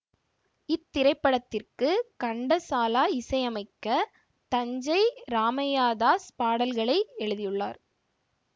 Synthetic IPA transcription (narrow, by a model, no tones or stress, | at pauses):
ɪt̪ːɪɾɐɪpːɐɽɐt̪ːɪrkɯkɐɳɖɐsaːlaːɪsɐɪɐmɐɪkːɐ | t̪ɐɲd͡ʒɐɪɾaːmɐjaːðaːspaːɽɐlɣɐɭɐɪɛɻɯðɪjɯɭːaːɾ